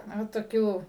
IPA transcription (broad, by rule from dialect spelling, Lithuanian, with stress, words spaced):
ˈnʊ toːˈkʲuː